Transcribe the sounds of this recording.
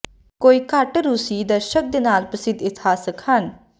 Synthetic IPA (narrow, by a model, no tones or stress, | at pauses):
koːiːkəʈɾusiːd̪əɾʃək̚d̪eːnaːlpəsɪd̪ɪt̪ʰaːsəkhən